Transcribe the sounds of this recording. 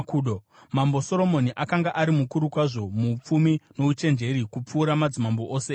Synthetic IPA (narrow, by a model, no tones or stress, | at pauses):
kːɗo | mambo̞so̞ɾo̞mo̞niʔakaŋɡaʔaɾimukuɾukwaʐo̞mup͡fumino̞ut͡ʃe̞nd͡ʒe̞ɾikup͡fuːɾamad͡zimamboʔoːse